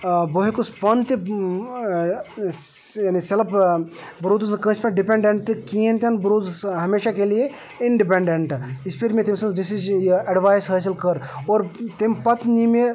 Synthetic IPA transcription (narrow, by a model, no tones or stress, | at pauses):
boɦikuspɐnt̪i | jaːniseləp | bɾoːd̪uskə̃spẽʈɖipẽɳɖeɳʈkiːẽnt̪ʲɐnbɾoːd̪sɦɐmeːʃakelije | iɳɖip̬ẽɳɖeɳʈispʰiɾmẽt̪imsɐ̃nzɖisid͡ʒɐɖʋaːjsɦɐːsilkəɾoːɾt̪impɐt̪nime